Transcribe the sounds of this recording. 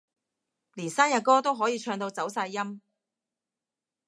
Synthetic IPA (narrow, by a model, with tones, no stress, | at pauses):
liː˨˩nsaː˥njɐ˨t̚kɔː˥t̪o˥wɦɔː˨˥jiː˨˧t͡ʃʰœː˧ŋt̪o˧wt͡sɐ˨˥wsaː˧jːɐ˥m